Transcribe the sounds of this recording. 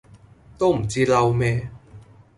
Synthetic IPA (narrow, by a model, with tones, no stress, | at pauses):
t̪o˥wm̩˨˩t͡siː˥lɐ˧wmɛː˥